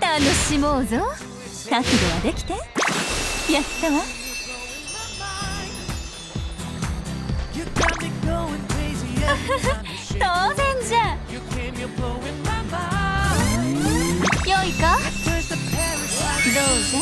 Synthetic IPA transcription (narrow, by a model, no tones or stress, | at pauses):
t̪anoɕimozo | t̪ãkɯd̪oβad̪e̞kʲi̥t̪e | jat̪ːemo | ɡoɪ | am | jɨkʰãmiɡoʊɪ̃ŋkʰɹ̥eɪzi | t̪oːnẽɲd͡ʑajɨkʰẽmjəɡoʊɪnmama | joikapʰə˞səpʰɛɹɪd̪o